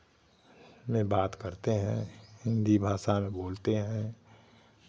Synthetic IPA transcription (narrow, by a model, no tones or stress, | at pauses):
mẽbaːt̪kəɾt̪eɦɛ̰̃hɪ̃nd̪ibʱaːʃamẽboːlt̪eɦɛ̃